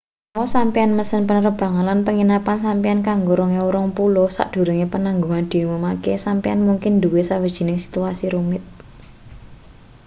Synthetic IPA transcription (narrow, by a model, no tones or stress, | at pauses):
awɔsampianməsənpənəɾəb̥ä̤ŋalanpəŋinapansampijankaŋɡoɾoŋeuɾɔŋpulosa̰ʔd̪̥o̤ɾəŋepənaŋɡoŋand̪̥i̤joməmakesampianmuŋkɪnd̪uwesawəd̥ʒ̥i̤nɪŋsi̥t̪uasiɾumɪt̪̚